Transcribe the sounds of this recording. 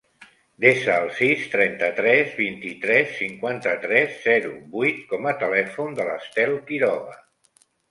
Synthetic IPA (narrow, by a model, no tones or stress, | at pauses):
d̪esəːlˠsist̪ɾɛnt̪ət̪ɾɛzβint̪it̪ɾɛsːiŋkwant̪ət̪ɾɛsːɛɾṵbujt̪̚kɔmət̪əlɛfund̪ələ̰st̪ɛlˠkiɾɔβə